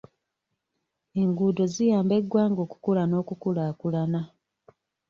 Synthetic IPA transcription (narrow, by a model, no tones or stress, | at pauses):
e̞ŋɡudo̞zijaːmbe̞ɡːwaːŋɡo̞ːku̥kulano̞ːkukulaːkulana